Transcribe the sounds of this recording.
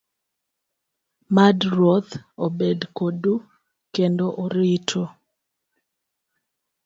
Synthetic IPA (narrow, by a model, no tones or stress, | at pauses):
madɾot̪obedkodu | kendoʔoɾɪtʰo